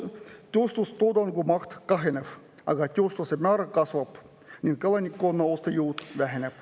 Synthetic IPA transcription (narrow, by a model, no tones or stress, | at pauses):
t̪ʲost̪ust̪od̪ɑnɡumɑxt̪kɑɦenʲef | ɑ̰ɡɑt̪ʲost̪usemʲɑːɾɑkɑsʋɑp | nʲinkɑlˠɑnʲikːonːɑost̪ɑjuːt̪ʋæɦenʲep